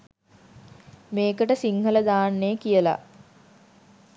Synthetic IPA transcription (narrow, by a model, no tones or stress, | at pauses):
meːkəʈəsiŋhələd̪aːnːeːkijəla̰